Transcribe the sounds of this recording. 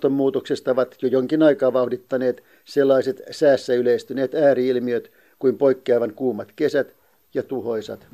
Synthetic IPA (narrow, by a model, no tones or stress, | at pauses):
t̪ommuːt̪oksest̪ɑoʋɑt̪jojoŋkinɑikɑːʋɑuhdit̪ːɑneːt̪ | selːɑiset̪sæːsːæyleist̪yneːt̪æːriilmiøt̪ | kuimpoikːiɑiʋæŋkuːmɑt̪kesæt̪ | jɑt̪uhoisɑ̰t̪